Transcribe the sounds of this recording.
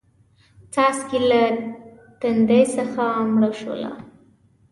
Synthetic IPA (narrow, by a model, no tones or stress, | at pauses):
t͡sɑskila | t̪and̪ejsəxamɽaʃə̰la̰